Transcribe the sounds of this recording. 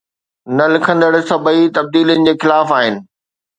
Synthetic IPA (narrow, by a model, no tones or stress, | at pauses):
nɐlɪkʰə̃nd̪əɽsɐbəit̪ɐb̚d̪iːljənɪ̆d͡ʑeːxɪlaːfaːɦɪnɪ̆